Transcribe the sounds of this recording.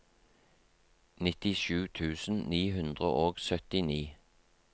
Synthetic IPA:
nɪt̪ɪʃʉːt̪ʰʉːsn̩niːhʉnd̪ʁə̰ʔoːɡsœt̪ɪniː

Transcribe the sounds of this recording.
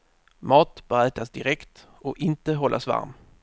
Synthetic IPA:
mɑːt̪b̥aɾæːt̪asd̪ɪɾɛkt̪ | ɔʔɪnt̪əɦɔlːasva̰ɾm

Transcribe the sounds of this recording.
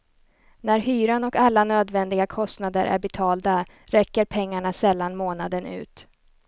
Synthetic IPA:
næɾhyːɾanɔkalːanøːd̪vɛnd̪ɪɡakʰɔst̪nad̪əɾʔæ̰ɾbɛt̪ʰɑːld̪a | ɾɛkːəɾpʰɛŋːaɳasɛlːanmoːnad̪ənʉ̟̰ːt̪

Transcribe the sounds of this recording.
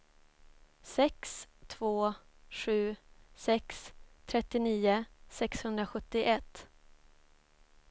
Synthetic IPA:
sɛkst̪ʰvoː | ɧʉ̟ːsɛkst̪ʰɾɛt̪ːɪniːʊsɛkshɵnd̪ɾaɧɵt̪ːɪʔɛt̪ː

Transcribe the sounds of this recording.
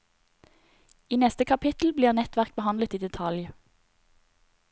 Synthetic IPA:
iːnɛst̪əkʰɑpʰɪt̪l̩bliːʁnɛt̪ʋæʁk̚bəhɑnlət̪iːd̪ɛt̪ʰɑlj

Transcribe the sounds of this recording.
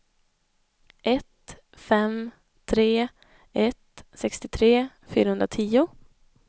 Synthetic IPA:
ʔɛt̪ | fɛm | t̪ʰɾeː | ɛt̪sɛkst̪ɪt̪ʰɾeː | fy̰ːɾahɵnd̪ɾat̪ʰiːʊ

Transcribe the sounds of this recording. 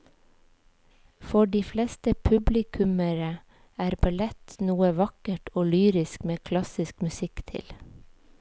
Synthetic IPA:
fɔɖiːflest̪əpʰʉblɪkʰʉməɾə | æːɾbɑlɛt̪nuːəʋɑkəʈʰoːlyːɾɪskmeːkʰlɑsɪskmʉsɪkt̪ʰɪ̰l

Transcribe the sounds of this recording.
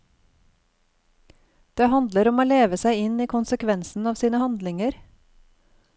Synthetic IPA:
d̪̥eːhɑnd̪ləɾɔmoːleːʋəsæɪɪniːkʰʊnsəkʰʋɛnsn̩ɑːʋsiːnəhɑnd̪lɪŋəɾ

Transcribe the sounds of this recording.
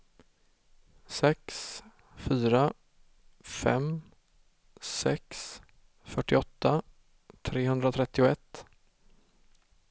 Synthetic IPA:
sɛks | fyːɾa | fɛ̰m | sɛks | fœʈːɪɔt̪ːa | t̪ʰɾeːɦɵnd̪ɾat̪ʰɾɛt̪ːɪʊɛt̪ː

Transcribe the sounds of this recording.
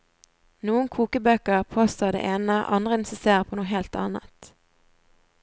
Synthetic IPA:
nuːənkʰuːkəbøːkəʁpʰoːst̪oːd̪ḛʔeːnəʔɑ̰nd̪ʁəɛnsəseːpʰoːnuːɦeːlt̪ɑ̰ːnə̰t̪

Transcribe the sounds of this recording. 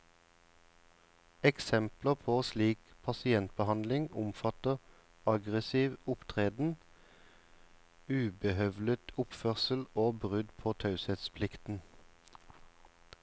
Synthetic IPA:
ɛksɛmpləʁpʰoːsliːkpʰɑsɪɛnt̪̚bəhɑnd̪lɪŋʊmfɑt̪əʁ | ɑɡʁəsiːʋʊpt̪ʰʁeːd̪n̩ | ʉːbəhœʋlət̪ʰʊpføːʁsəl̩oːbʁʉd̪pʰoːt̪ʰɑʉsɛt̪spʰlɪkt̪n̩

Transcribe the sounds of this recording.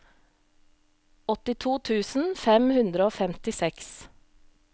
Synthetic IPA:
ɔt̪ɪt̪ʰuːt̪ʰʉːsn̩fɛmhʉnd̪ɾəoːfɛmt̪ɪsɛks

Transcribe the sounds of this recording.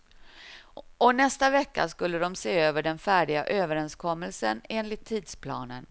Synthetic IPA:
ɔnɛst̪avɛkːa̰skɵlːəd̪ɔmseːøːvəɖɛnfæːɖɪɡa̰ʔøːvəɾɛnskʰɔmːəlsəneːnlɪt̪ʰːiːd̪spʰlɑ̰ːnə̰n

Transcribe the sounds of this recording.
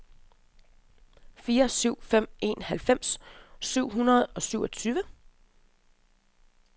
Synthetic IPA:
fiːɐsyʊ̰fem̰e̝nhælfem̰sːyʊ̰ɦunɐð̞̩ˠɒ̽syʊ̰ɒ̽t͡sʰyːʋə

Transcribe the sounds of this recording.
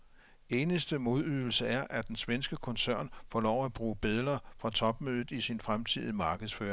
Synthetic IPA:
e̝ːnəsd̥əmo̝ð̞ˠyðˠl̩səæɐʔæd̥ensʋensɡ̥əkʰɔ̽nsæɐ̰nfɒlɒʊ̰æb̥ʁuːb̥e̝ðˠlɐfʁɑ̈t͡sʰɒ̽b̥̚møːðˠð̩ˠisinfʁamt͡sʰiðˠimɑ̈ːɡ̥əðˠsfø̰ːɐ

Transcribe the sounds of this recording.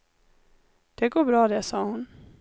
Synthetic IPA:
d̪̥ɛɡoːbɾɑːd̪ɛsɑːhʊn

